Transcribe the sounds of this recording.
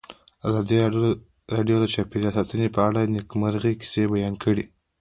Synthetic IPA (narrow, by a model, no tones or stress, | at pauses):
azɑd̪i | ɾɑɖijod̪ət͡ʃɑpeɾɑsɑt̪ənepəaɽanɪkmaɾɣeki̥sebajɑnkʰəɽi